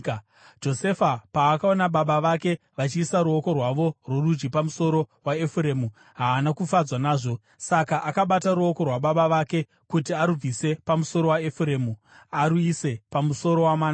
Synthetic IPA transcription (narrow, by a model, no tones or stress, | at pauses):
d͡ʒo̞se̞fapaːkao̞naɓaɓaʋake̞ | ʋat͡ʃiːsaɾuo̞ko̞rwaʋo̞rwo̞rud͡ʒɡipamuso̞ɾo̞waefuɾe̞mu | ɦaːnakufad͡zwanaːʐo̞ | sakaʔakaɓataɾuo̞ko̞rwaɓaɓaʋake̞ | kutiaɾub͡vise̞pamuso̞ɾowaefuɾe̞ːmu | aɾuise̞pamuso̞ɾo̞wamaːna